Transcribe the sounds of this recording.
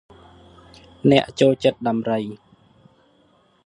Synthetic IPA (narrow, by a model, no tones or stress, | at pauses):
nɛ̆əʔt͡ɕoːlt͡ɕət̪̚ɗɑmrəj